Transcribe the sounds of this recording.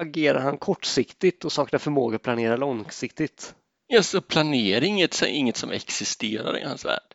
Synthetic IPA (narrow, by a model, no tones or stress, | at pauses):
aɡeːɾa̰ɾhankʰɔʈːsɪkt̪ɪt̪ɔsɑːknafœɾmoːɡapʰlaneːɾalɔŋsɪkt̪ɪt̪ | jɑːsɔpʰlaneːɾɪŋːət̪sɛ̰ɪŋːət̪sɔmɛ̰ksɪst̪eːɾa̰ɾɪ̰ha̰nsvæ̰ːɖ̥